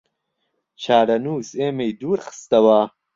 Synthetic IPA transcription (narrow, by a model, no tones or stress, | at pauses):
t͡ʃʰaːɾɐnuːseːmejd̪uːɾχə̥st̪ɐwaː